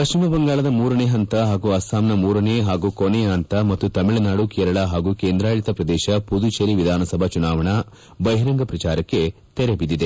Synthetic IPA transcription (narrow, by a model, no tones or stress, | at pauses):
pɐʃt͡ʃimɐbɐŋɡaːɭɐd̪ɐmuːɾɐneːɦɐnt̪ɐɦaːɡuːɐst̪ʰaːmnɐmuːɾɐneɦaːɡuːkonɛɦɐnt̪ɐmɐt̪ːut̪ɐmiɭɐnaːɽukeːɾɐɭɐɦaːɡuːkeːnd̪ɾaːɭit̪ɐpɾɐd̪ɛːʃɐpud̪ut͡ʃeɾiʋid̪ʱaːnɐsɐbʱɐt͡ʃunaːʋɐɳɐ | bɐjɦɾɐŋɡɐpɾɐt͡ʃaːɾɐkːe̞ | t̪ɛɾebid̪id̪e